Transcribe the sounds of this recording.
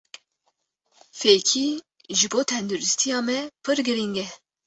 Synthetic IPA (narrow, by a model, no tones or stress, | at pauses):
feːkʰi | ʒɨboːt̪ʰɛnd̪uɾɪst̪ʰijɑːmɛpʰɨɾɡɨɾiŋɡɛ